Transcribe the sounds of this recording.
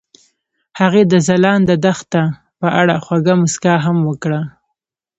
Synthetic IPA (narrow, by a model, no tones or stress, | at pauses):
haɣed̪əzalɑnd̪əd̪axt̪ːa | pəʔaɽaxwaɡamʊskɑɦamwəkɽa